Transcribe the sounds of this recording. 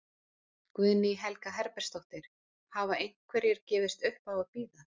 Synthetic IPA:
kvʏðnɪiɦɛlkaɦɛɾpɛr̥st̪oht̪ɪɾ̥ | havaejnkʰvɛɾjɪɾ̥cɛːvɪst̪ʏhpawaðpiːða

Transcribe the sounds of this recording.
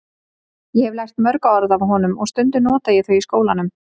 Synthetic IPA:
jɛhɛvlajr̥t̪mœɾkaɔɾðavɦɔːnʏmɔɣst̪ʏnt̪ʏnɔːt̪ajɛθœɥiskoːwlanʏm

